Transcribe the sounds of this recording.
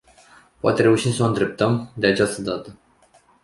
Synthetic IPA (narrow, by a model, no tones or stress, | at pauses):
poa̰t̪eɾe̞uʃimsəoɨnd̪ɾe̞p̚t̪əmd̪eat͡ʃast̪əd̪at̪ə